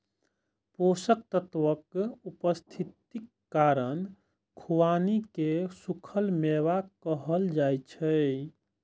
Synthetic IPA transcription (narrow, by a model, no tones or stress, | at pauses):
posək̚t̪ət̪ʋəkupəst̪ʰit̪ikːaɾən | kʰuwanikesukʰəlmewakəɦəld͡ʒajt͡ʃʰə